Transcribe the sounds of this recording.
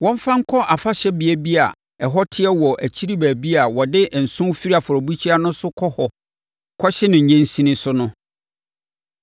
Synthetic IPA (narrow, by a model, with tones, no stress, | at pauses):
wɔ̃˦m˦fã˦ŋ̩˦kʰɔ˦ʔa˨fa˦ɕɛ˦bɪ˨ɛ˦bi˦a̰˨ | ɛ˨ɦɔ˦tʰɪ˦ɛ˦wɔ˨ʔæ˨t͡ɕʰi˦ɾi˦bæː˨bi˦a˨wɔ˨dɪ˦ʔn̩˨sʊ̃˦fi˦ɾi˦a˨fʊ˨ɔ˨bu˦t͡ɕʰi˦a˦nʊ̃˦sʊ˦kʰɔ˦hɔ˨ | kʰɔ˦ɕɪ˦nɪ̃˨ɲ̩˨ɲẽ˦n˦sĩ˦nɪ̃˦sʊ˦nʊ̃˦